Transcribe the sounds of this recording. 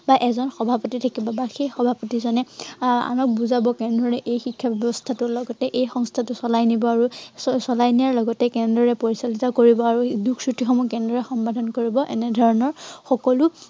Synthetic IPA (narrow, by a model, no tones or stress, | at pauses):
baʔɛzɔnxɔbʱapɔtitʰakibɔbaxejxɔbʱapɔtizɔnɛa̰nɔk̚buzabɔkɛndɹɔɹɛʔejxikʰːabɛbɔstʰatʊlɔɡɔtɛʔejxɔŋstʰatʊsɔlajnibɔaɹusɔlajniaɹlɔɡɔtɛkɛndɹɔɹɛpoɹisalitakoɹibɔaɹudukʰsutixɔmukɛndɔɹɛxɔmbadʱɔnkoɹibɔʔɛnɛdʱɔɹɔnɔɹxɔkɔlʊ